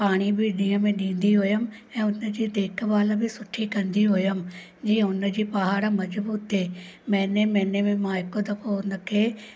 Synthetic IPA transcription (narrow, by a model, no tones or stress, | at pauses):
paːɽ̃ibɪɗĩːə̃mẽɗĩːn̆d̪iɦʊjəm̆ | ɛ̃ːʊnə̆d͡ʑiːd̪eːkʰʋaːlə̆bɪsʊʈʰikɐ̃nd̪iɦʊjəm̆ | d͡ʑiːə̃ʊnə̆d͡ʑiːpɐɦaːɽmɐd͡ʑbuːt̪ɦeːmɛ̃ːnemɛ̃ːnemẽmãɦɪkot̪ɐkʰoʊnə̆kʰeː